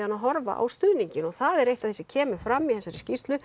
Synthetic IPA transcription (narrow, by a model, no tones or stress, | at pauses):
anːaðɦɔɾva̰ʔa̰wst̪ʏːðniɲcɪnɔɣθaðɛɾejht̪aðθɛsɪ̥cʰɛːmʏfɾamːihɛnsaɾɪscist̪lʏ